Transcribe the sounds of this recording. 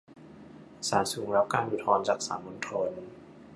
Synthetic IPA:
saː˩˦nsuː˩˦ŋɾa˦˥p̚kaː˧nʔu˨˩t̪ʰɔː˧nt͡ɕaː˨˩k̚sa̰ː˩˦nmo˧nt̪ʰo˧n

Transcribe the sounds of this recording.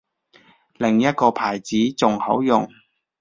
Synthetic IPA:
lɪ˨˩ŋjɐ˥t̚kɔː˧pʰaː˨˩jt͡siː˨˥t͡sʊ˨ŋhɐ̰˨˥wjʊ˨˩ŋ

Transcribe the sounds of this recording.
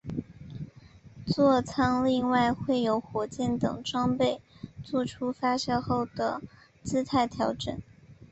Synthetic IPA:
t͡swɔ˥˧t͡sʰɑ˥ŋli˥˧ŋwa˥˧ɪxwe˥˩ɪjo˧˥ʊxwɔ˧˥t͡ɕjɛ˥˩nt̪ɤ̰˨˩ŋʈ͡ʂwɑ˥ŋpe˥˧ɪt͡swɔ˥˩ʈ͡ʂʰu˥fa˥ɕjɑ˥˧ʊxo˥˩ʊd̪̥ə˩ | t͡sɹ̩˥t̪ʰa˥˩ɪt̪ʰjɑ˧˥ʊʈ͡ʂə̰˨˩˦n

